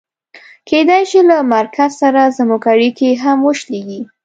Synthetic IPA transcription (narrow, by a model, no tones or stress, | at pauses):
kʰed̪ajʃilamaɾkʰazsaɾazamokaɽikeɦamwəʃleɡi